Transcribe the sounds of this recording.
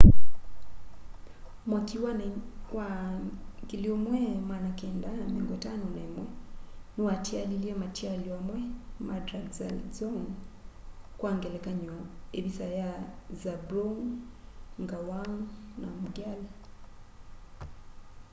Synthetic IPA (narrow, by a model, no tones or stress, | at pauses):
makiwanɛwa | ŋɡiliɔmwɛmwanakɛndamɛŋɡɔtanɔnaɛmwɛnuwatialiliɛmatialiwamwɛmadɾadzalzɔŋ | kwaŋɡɛlɛkaɲɔebisajazabɾɔŋ | ŋɡawaŋnamuɡal